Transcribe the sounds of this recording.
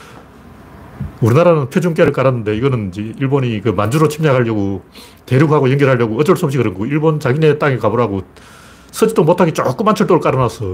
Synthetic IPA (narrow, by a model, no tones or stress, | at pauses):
uɾinaɾanɯnpʰjod͡ʑuŋk͈eɾɯɭk͈aɾanːɯnde̞iɡʌnɯnd͡ʑeiɭboɲikɯmand͡ʑuɾot͡ɕʰimɲaɡʰaʎːʌɡo | te̞ɾjuk̚haɡojʌŋɡjʌɾɦaʎjʌɡoʌd͡ʑʌɭs͈uʌp̚ɕʰikɯɾʌŋɡʰoiɭbont͡ɕaɡine̞t͈aŋekaboɾɦaɡo | sʰʌd͡ʑit͈omotʰaɡit͡ɕ͈ok͈ɯmːant͡ɕʰʌɭt͈oɾɯɭk͈aɾɯnasʰʌ